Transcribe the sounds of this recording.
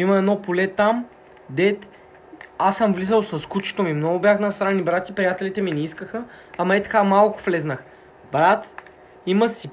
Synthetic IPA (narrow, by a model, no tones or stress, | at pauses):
iməɛd̪nɔpolɛt̪am | d̪ɛt̪ | asəmvlizəlˠsɐskut͡ʃi̥t̪omimnɔɡʊbjaxnɐst̪ɾanːibɾat̪ʲipɾijat̪ɛlit̪ɛminɛiskəxəɐmɐɛt̪ɐ̥kamalˠkʊ̥flɛznəx | bɾat̪ | iməsi